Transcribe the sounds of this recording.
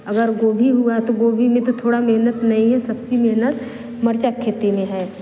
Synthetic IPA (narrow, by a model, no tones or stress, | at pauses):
ɐɡəɾɡoːbʱiɦuat̪oɡoːbʱimẽt̪ot̪ʰoːɽameɦnət̪nɐɦĩɦɛsɐbsimeɦnət̪ | mɐɾt͡ʃakʰːeːt̪emẽɦɛː